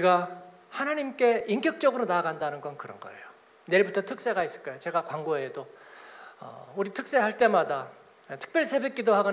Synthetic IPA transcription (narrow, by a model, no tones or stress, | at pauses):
uɾiɡa | hanaɲimk͈e̞iŋkjʌk̚t͡ɕ͈ʌɡɯɾonaːɡandanɯnɡʌnkɯɾʌnɡʌ̰ḛjo | ne̞ɭbutʰʌtʰɯk̚s͈e̞ɡais͈ɯ̥ɭk͈ʌejot͡ɕe̞ɡakwaŋɡoedo | ʌ̰uɾitʰɯk̚s͈e̞ɦaɭt͈e̞mada | tʰɯ̥k̚p͈jʌɭsʰe̞be̞k͈idoɦaɡʌn